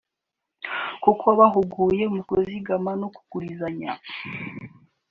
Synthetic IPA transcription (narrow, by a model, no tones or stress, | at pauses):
kukoβaɦuɡuːje̞umukoziɡamanoku̥kuɾizaɲa